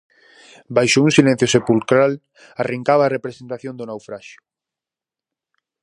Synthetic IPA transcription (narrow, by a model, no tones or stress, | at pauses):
bajʃʊuŋsilẽn̟θjosepulkɾal | areŋkaβaːrepɾesent̪aθjõnd̪ʊnawfɾaʃʊ̥